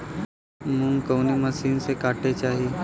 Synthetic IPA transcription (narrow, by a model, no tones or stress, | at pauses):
mũŋkoːnemɐsiːnsekaːʈet͡ʃaːɦi